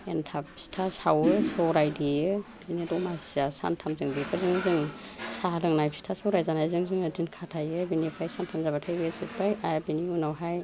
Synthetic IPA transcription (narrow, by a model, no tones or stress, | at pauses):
entʰapi̥stʰasawɯsɔɾajdijɯbinidɔmasiasa̰ntʰamzɯŋdipʰazɯŋzɯŋ | salɯŋnajpʰi̥stʰasɔɾajzanajzɯŋzɯŋɯdinkʰatʰajɯbinipʰajsantʰamzabatʰajbɯsʰɯpʰajaabiniunawɦaj